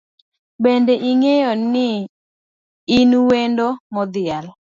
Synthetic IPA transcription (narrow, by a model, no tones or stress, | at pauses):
bendeʔiŋejɔnɪ | inwendomɔd̪ɪal